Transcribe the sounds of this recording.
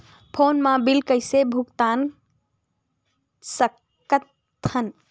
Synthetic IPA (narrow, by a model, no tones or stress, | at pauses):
pʰonmãbilkəɪsebʱukt̪an | sək | kət̪ʰ | ən